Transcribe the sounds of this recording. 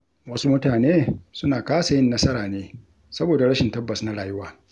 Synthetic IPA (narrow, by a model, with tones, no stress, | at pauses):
wɐ˦su˦mʊ˦taː˨neː˦sʊ˦naː˨kaː˦sɐ˨jɪ˦nːɐ˦sɐ˦ɾaː˨neː˦ | sɐ˦boː˨da˨ɽɐ˦ʃɪ˨ntɐ˦bːɐ˨sna˦ɽaː˨jʊ˦waː˨